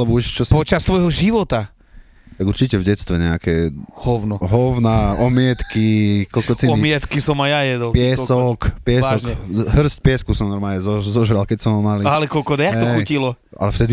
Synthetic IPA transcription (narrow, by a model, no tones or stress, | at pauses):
lɛbɔuʃt͡ʃɔspɔt͡ʃast̪ʋɔjɦɔʒiʋɔt̪a | t̪aɡuɾt͡ʃicɛvɟɛtst̪ʋɛɲɛakɛhɔwnɔɦɔwnaɔmɪɛt̪kikɔlkɔt͡sinɔimɪɛt̪kisɔmajajɛd̪ɔlpɪɛsɔkpɪɛsaɔʒkɛɦr̩sc̚pɪɛskusɔmnɔɾmaːɲɛzɔzɔʒɾalkɛcsɔmɔmalialɛkɔlkɔd̪ajakɦ̪ɔɛxucilɔ | a̰lɛft̪ɛd̪i